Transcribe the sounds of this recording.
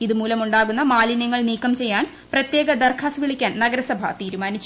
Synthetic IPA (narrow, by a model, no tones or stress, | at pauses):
iðɨmuːlɐmuɳɖaːɣunːɐmaːlinjɐŋːɐɭniːkːɐmt͡ɕe̞jːaːn | prɐt̪je̞ːɡɐd̪ɐrkʰaːsʋiɭikʲːaːnnɐɡɐɾɐsɐbʱɐ̰t̪iːɾumaːnit͡ɕː